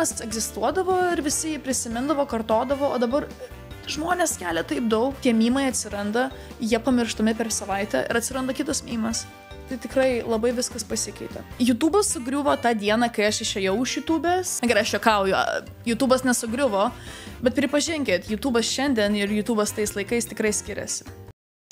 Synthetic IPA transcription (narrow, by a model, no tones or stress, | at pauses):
ɐsɛɡzʲɪst̪uɔd̪ɐʋoːɪɾʋʲɪsʲɪjiːpʲɾʲɪsʲɪmʲɪnd̪ɐʋoːkɐrt̪oːd̪ɐʋoːoːd̪ɐbɐr | ʒmoːnʲeːskʲæːlʲɛt̪ɐɪp̚d̪ɐʊktʲiɛmʲiːmɐɪɐt̪ʲsʲɪɾɐnd̪ɐ | jiɛpɐmʲɪrʃt̪ɐmʲɪpʲɛrsɐʋɐɪt̪ʲɛ̰ɪ̰ɾɐtʲsʲɪɾɐnd̪ɐkʲɪt̪ɐsmʲiːmɐs | t̪ɐɪt̪ʲɪkɾɐɪlˠɐbɐɪʋʲɪskɐspɐsʲɪkɐɪt̪ʲɛ̰juːt̪uːbɐssʊɡɾʲʊʋoːt̪ɑːd̪ʲiɛnɐkɐɪɐʃɪʃʲɛjɛʊʊʃjuːt̪uːbʲɛsɐɡʲɛɾɪɐʃjokɐʊjo̰ | juːt̪uːbɐsnʲɛsʊɡɾʲʊʋoːbʲɛt̪̚pʲɾʲɪpɐʒʲɪŋʲkʲet̪juːt̪uːbɐsʃʲɛnʲd̪ʲiɛnɪɾjuːt̪uːbɐst̪ɐɪslˠɐɪkɐɪst̪ʲɪkɾɐɪsʲkʲɪɾʲɛ̰sʲɪ̥